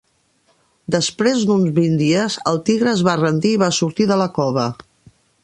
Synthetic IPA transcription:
d̪əspɾezd̪unzβind̪iəzəlˠt̪iɣɾəzβarənd̪iːβasuɾt̪iðələkɔβə

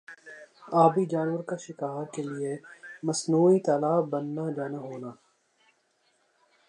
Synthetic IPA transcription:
aːbid͡ʒaːnʋəɾkaʃɪkaːɾkeliemɐsnuːit̪aːlaːbbɐnːad͡ʒaːnaɦoːnaː

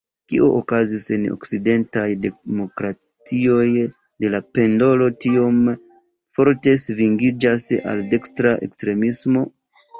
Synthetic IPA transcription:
kḭʔoʔokazise̞no̞̰kside̞ntajde̞mo̞kɾa | t͡sio̞j | de̞lape̞ndo̞lo̞tio̞m | fo̞ɾte̞sviŋɡid͡ʒasa̰lde̞kstɾaʔe̞̰kstɾe̞mismo̞

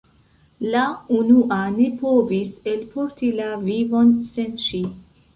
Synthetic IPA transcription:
launuʔane̞po̞vise̞lpʰo̞ɾtilavivo̞nse̞nʃi

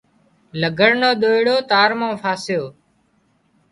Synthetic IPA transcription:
ləɡʱəɽnoːɗ̪oːɪɽoːt̪aːɾmõːfʰaːsɪjoː

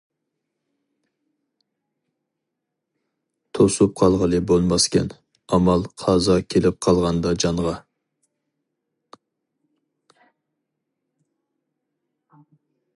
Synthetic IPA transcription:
t̪ʰosup̚qʰɑlˠʁəlˠɨbolˠmɑskʲʰɛn | ɑmɑlˠqʰɑzɑkʲʰelɪp̚qʰɑlˠʁɑnd̪ɑd͡ʒɑɴʁɑ

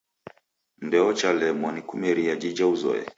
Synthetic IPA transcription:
n̩dɛɔt͡ʃalɛmɔnikumɛɾiad͡ʒid͡ʒauzɔ̰ɛ̰

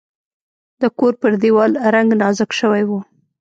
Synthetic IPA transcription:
d̪əkoɾpəɾd̪iwɑlɾaŋɡnɑzəkʃəwajwu

